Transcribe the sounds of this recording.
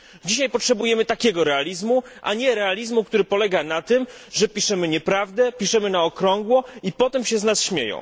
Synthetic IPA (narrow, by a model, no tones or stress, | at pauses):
d͡ʑiɕajpɔtʂɛbujɛmɘt̪akʲɛɡɔɾɛalʲizmuʔa̰ɲɛɾɛalʲizmukt̪uɾɘpɔlɛɡanat̪ɘm | ʐɛpʲiʂɛmɘɲɛpɾavd̪ɛpʲiʂɛmɘnaɔkɾɔŋɡwɔipɔt̪ɛmɕɛznasɕmʲjḛjɔ̰̃w̃